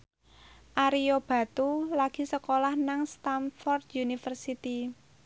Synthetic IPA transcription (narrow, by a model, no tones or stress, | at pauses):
ʔaɾijob̥ä̤t̪ulaɡ̥i̤səkolahnaŋst̪anfɔrd̪junifərsit̪i